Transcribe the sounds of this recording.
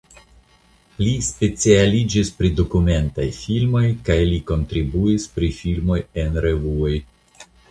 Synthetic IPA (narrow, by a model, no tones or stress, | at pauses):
lispe̞t͡sialid͡ʒispɾido̞kume̞nta̰jfilmo̞jkajliko̞ntɾibuispɾifilmo̞je̞nɾe̞vuo̞j